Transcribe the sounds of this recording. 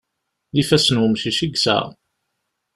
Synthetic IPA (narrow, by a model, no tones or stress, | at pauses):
ðifæsənwəmʃiʃiɡsæ̰